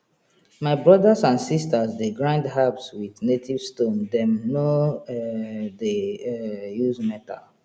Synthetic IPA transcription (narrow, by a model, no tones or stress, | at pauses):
maɪbɹɔdasãnsistasdeɡɹãɪ̃ndɦabswidnetʰiv̥stõndɛ̃mno | de | juzmɛta̰l